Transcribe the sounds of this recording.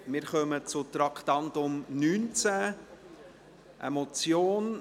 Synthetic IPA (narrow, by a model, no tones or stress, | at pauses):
mɪɾχœmət͡sʊt̪ɾɑkʰt̪ɑnt̪ʊmnyːnt͡sæ | ʔḛmot͡sjoːn